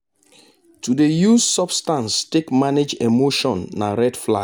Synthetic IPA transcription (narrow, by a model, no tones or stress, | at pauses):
tʰudejuzsɔbstãnstekmaned͡ʒemoʃɔ̃nːaɹɛdfla̰